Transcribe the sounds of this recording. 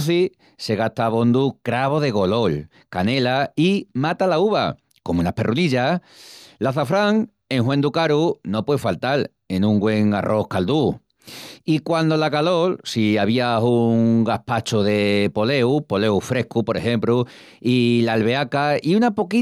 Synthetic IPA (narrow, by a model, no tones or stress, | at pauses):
θi | se̞ɣ̞at̪aβo̞nd̪ukɾaβ̞o̞ðe̞ɣ̞o̞lo̞l | kane̞laimat̪alauβa̰ | ko̞munape̞̰rʔuniʎa | laθafɾaŋ | e̞ŋɦwe̞nd̪ukaɾuno̞pweefalt̪al | e̞nũŋɡwe̞ŋarʔo̞hkald̪u | ikwand̪o̞lakalo̞lsiaβ̞iauŋɡahpat͡ʃoðe̞po̞le̞wpo̞le̞wfɾe̞hkupo̞ɾe̞xẽ̞mpɾu | ilalβe̞akaiunapo̞ki